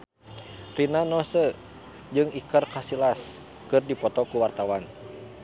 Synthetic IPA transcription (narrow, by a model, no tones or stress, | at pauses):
rinanɔsə | d͡ʒɨŋikərkasilas | kɨrdipɔt̪ɔkuwart̪awan